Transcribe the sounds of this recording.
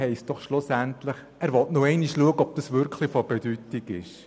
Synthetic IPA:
hɛɪst̚d̥ɔχʃlʊsæntləχ | æːɾʋɔtnoɛɪniʃluəɡəɔb̥̚d̥ɑsʋʏɾkχlɪfɔb̥ed̥ytːɪɡɪʃ

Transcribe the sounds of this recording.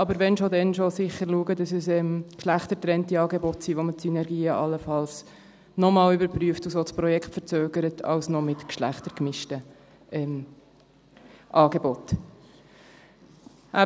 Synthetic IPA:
ɑbəɾʋɛnʃodɛnʃosɪχəɾluəɡədɑsəsɛmkʃlæχtəɾtɾɛntiɑːɡebɔtsiːʋomətsynɛɾɡiːəʔɑlːəfɑls | nɔmɑːlybəɾpɾyəftusospɾɔjɛkχtfəɾt͡søːɡ̥əɾətɑ̰ʊsnɔmɪtkʃlæ̰χtəɾkmɪʃtə | ʔɛm | ʔɑːɡebɔt | ʔæ

